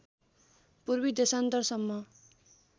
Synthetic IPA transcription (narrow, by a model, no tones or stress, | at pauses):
purbid̪esant̪ʌrsʌmːʌ